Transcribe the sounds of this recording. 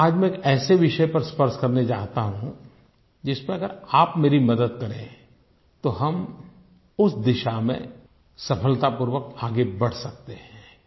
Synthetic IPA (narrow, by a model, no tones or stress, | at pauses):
aːd͡ʒmɛ̃eːkɛːseʋɪʃəpɐɾspəɾʃkɐɾned͡ʒaːɦt̪aɦũ | d͡ʒɪsmẽɐɡəɾaːpmeːɾimɐd̪əd̪̚kɐɾẽ | t̪oɦɐm | ʊsd̪ɪʃamḛ̃ | sɐpʰəlt̪apuːɾʋək̚t̪aːɡebɐɽ̤sɐk̚t̪eɦɛ̃ː